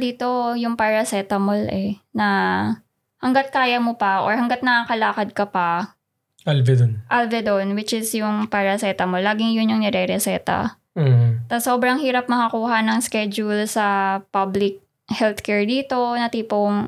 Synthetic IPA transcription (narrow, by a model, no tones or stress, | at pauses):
d̪iːt̪o̞jʊŋpaɹɐsɛːt̪ɐmolɛnɐ | hɐŋɡɐt̪̚kaːjɐmopɐʔo̰ɹhɐŋɡɐt̪̚nɐakɐlaːkɐd̪̚kɐpɐ | ʔɐlvɛd̪onʔalvɛd̪onwɪt͡ʃɪsjʊŋpaɹɐsɛt̪ɐmolːaːɡɪŋjʊnjʊŋnɛɾɛɾɛsɛːt̪ɐ̰ | t̪ɐsoːbɾɐŋhiːɾɐp̚mɐkɐkuːɦɐnɐŋskɛd͡ʒʊlsɐpablɪk̚ | hɛlt̪kɛɹd̪iːt̪o̞nɐt̪iːpoŋ